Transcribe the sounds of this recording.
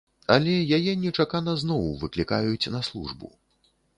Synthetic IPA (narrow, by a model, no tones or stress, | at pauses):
ɐlʲɛjajɛnʲɛt͡ʂakanɐznɔwvɨklʲikajut͡sʲnɐslˠṵʐbṵ